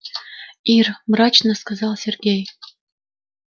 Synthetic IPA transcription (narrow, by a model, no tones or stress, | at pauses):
irmɾɑt͡ɕnəskazɑlˠsʲerɡʲej